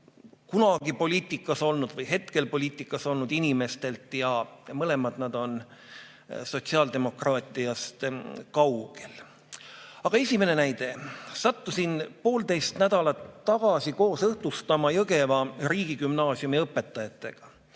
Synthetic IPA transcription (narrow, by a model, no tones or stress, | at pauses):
kunɑɡipo̞lʲiːt̪ʲːˑikːˑɑso̞lnud̪vɤjɦe̞t̪ke̞lpo̞lʲiːt̪ːˑikːˑɑso̞lnud̪̥inime̞st̪e̞lt̪ˑjɑmɤle̞mɑd̪nɑd̪̥o̞n | so̞t̪ʲsiɑːld̪e̞mo̞krɑːt̪ːˑijɑst̪kɑwɡ̥el | ɑɡ̥ɑe̞sʲime̞ne̞næjd̪̥e̞sɑt̪ːusinpo̞ːlt̪e̞jst̪næd̪̥ɑlɑt̪ːɑɡ̥ɑsiko̞ːsɤht̪ust̪ɑmɑjɤɡe̞vɑɾiːɡ̥ikymnɑːsjumiɤpːe̞t̪ːˑɑjɑt̪ːe̞ɡ̥ɑ